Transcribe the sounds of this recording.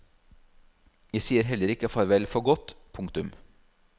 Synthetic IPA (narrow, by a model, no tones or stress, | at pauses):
jæɪsiːəɾɦɛlːəɾɪkəfɔɾʋɛlfɔɾɡɔt̪pʰʊŋkt̪ʉm